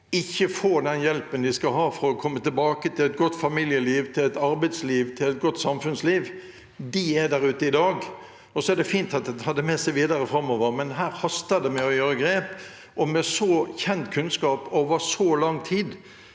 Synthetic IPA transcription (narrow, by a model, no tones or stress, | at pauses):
ɪçːəfoːd̪ɛnjɛlpənd̪ɪskɑlɦɑːfɾɔɔkʰɔmːət̪ɪlbɑːkət̪ʰɪlɛt̪̚ɡɔt̪ːfɑmiːljəliːʋt̪ʰɪlɛt̪ɑɾbæɪd̪sliːʋt̪ʰɪlɛt̪̚ɡɔt̪ːsɑmfʉnsliːʋ | d̪ɪæd̪æɾʉːt̪əɪd̪ɑːɡ | ɔsɔæd̪ɛfiːnt̪ɑt̪̚d̪ɛhɑd̪əmɛsɛɪʋiːd̪əɾəfɾɑmːoːʋəɾmɛnɦæːɾhɑst̪əd̪ɛmɛɔjøːɾəɡɾeːp | ʔɔmɛsɔçɛnt̪kʰʉnskɑːpoːʋəɾsɔlɑŋt̪ʰiːd̪